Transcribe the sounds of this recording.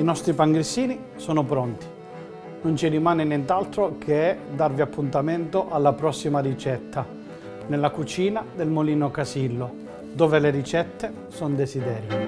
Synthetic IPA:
inɔst̪ɾipaŋɡɾisːiːni | sɔːnʊpɾɔnt̪i̥ | nont͡ʃirimaːnɪnjɛnt̪alt̪ɾokʰeɛd̪arviapːunt̪ament̪oʔalːapɾɔsːimarit͡ʃɛt̪ʰːa | nelːakut͡ʃiːnad̪elmoliːnokasilːo | d̪ɔːveleɾit͡ʃɛt̪ːe | sɔnd̪esid̪ɛːɾjo

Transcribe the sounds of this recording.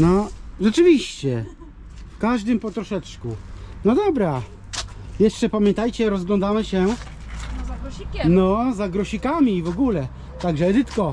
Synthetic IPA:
nɔʐɛt͡ʂɘvʲiɕt͡ɕɛ | fkaʐd̪ɘmpɔt̪ɾɔʂɛt͡ʂkunɔd̪ɔbɾa | jɛʂt͡ʂɛpamʲjɛnt̪ajt͡ɕɛɾɔzɡlɔ̃nd̪amɘɕɛ | ikʲnɔzaɡɾɔɕikamʲiːvɔɡulɛ | t̪aɡʐɛːd̪ɘt̪kɔ

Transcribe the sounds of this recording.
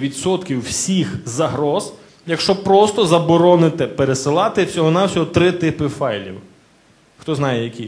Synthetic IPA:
ʋʲit̪sɔt̪kʲiwːsʲixzɐɦɾɔz̥ | jɐkʃt͡ʃɔpɾɔst̪ɔzɐbɔɾɔnɪt̪ɪpeɾesɪlˠɑt̪ɪwsʲɔɦɔnɑwsʲɔɦɔt̪ɾɪt̪ɪpɪfɑjlʲḭw | xt̪ɔznɑjɛjɐkʲi

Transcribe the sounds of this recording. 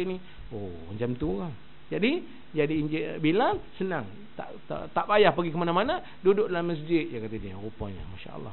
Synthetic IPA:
ʔni | o | ə̰ɲd͡ʒamt̪uɣaŋ | d͡ʒadi | d͡ʒadiɲd͡ʒɪbilasənaŋ | t̪a̰ʔt̪a̰t̪aʔbajahpaɡikəmanamana | dudoʔdlaməs̬d͡ʒɪt̪̚jakat̪adiə̰ɣupaɲa̰maʃa̰ʔə̰lːɑ̰

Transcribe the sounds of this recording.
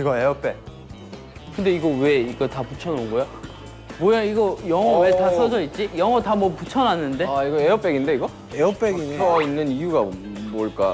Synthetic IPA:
iɡʌeʌp͈e̞ | kɯnde̞iɡʌwe̞iɡʌtaput͡ɕʰʌnonɡojo | mwʌjaiɡʌjʌŋʌwe̞tas͈ʰʌsʰʌit̚t͡ɕ͈ijʌŋʌtamwʌput͡ɕʰʌnanːɯnde̞iɡʌeʌp͈e̞ɡinde̞iɡʌ | eʌp͈eɡinʰʌinːɯnijuɡamoɭk͈a

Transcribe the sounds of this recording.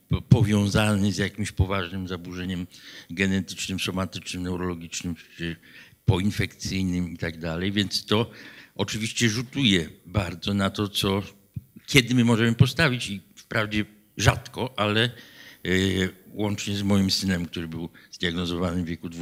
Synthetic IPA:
pɔvʲjɔ̃w̃zanɘzjakʲimɕpɔvaʐnɘmzabuʐɛɲɛmɡɛnɛt̪ɘ̥t͡ʂnɘmsɔmat̪ɘt͡ʂnɘmnɛwɾɔlɔɡʲit͡ʂnɘm | pɔinfɛkt̪sɘjnɘmit̪aɡ̚d̪alɛjvʲjɛnt̪st̪ɔʔɔt͡ʂɘvʲiɕt͡ɕɛʐut̪ujɛbaɾd̪zɔnat̪ɔt̪sɔ | kʲjɛd̪ɘmɘmɔʐɛmɘpɔst̪avʲit͡ɕifpɾavd͡ʑɛ | ʐat̪kɔʔalɛ | wɔnt͡ʂɲɛzmɔjimsɘnɛmk̚t̪uɾɘbɘwz̥d̪ʲjaɡnɔzɔvanɘmvʲjɛkud̪v

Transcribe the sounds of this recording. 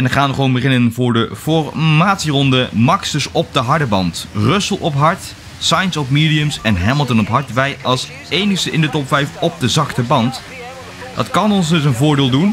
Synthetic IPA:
ɛndəχaːnʋəχəʋownbəχɪnənvʊːɹdəfɔrmaːtsirɔndəmɑksdəsɔp̚dəɦɑɹdəbɑ̰ntrɵsəlˠʔɔpɦɑɹt | sɑjnsɔpmiːdiəmsɛnɦɛməlˠtənɔpɦɑɹtʋɛjɑlˠs | ejnəχstəʔɪndətɔpfɛjfɔp̚dəzɑktəbɑnt | d̥ɑ̰tkɑnɔnsdɵs̬ənvʊːɹdɪːlˠdun

